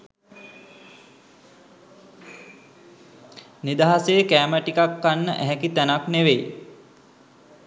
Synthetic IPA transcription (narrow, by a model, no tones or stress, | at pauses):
nid̪aɦasejəkæːməʈikakːanːə̰ʔæɦɛkit̪ænakneʋej